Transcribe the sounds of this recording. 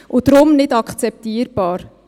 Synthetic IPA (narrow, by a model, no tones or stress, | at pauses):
ʔʊd̥̪ɾʊmnɪdɑkχt͡sɛp̚t̪iːəɾb̥ɑːɾ